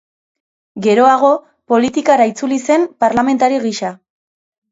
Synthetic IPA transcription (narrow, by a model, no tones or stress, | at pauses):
ɡe̞ɾo̞aɣ̞o̞ | po̞lit̪ikaɾait͡sulise̞mpaɾlame̞nt̪aɾiɣiʃa